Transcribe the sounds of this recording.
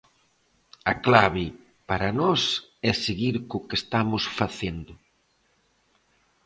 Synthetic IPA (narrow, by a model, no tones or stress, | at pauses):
aklaβɪ | paɾanɔsɛseɣiɾkʊkest̪amʊsfaθend̪ʊ